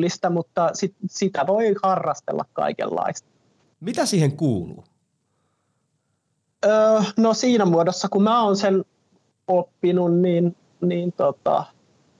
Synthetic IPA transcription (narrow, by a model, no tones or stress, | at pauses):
lːist̪æmut̪ːɑsit̪sit̪æʋoihɑrːɑst̪ḛlːɑ̰kkɑ̰ikḛlːɑ̰ist̪ɑ̥ | mit̪æsiːheŋkuːlṵː | əːnosiːnæmuodosːɑkumæːoːnsen | opːinunniːn | niːnt̪ot̪ɑ̰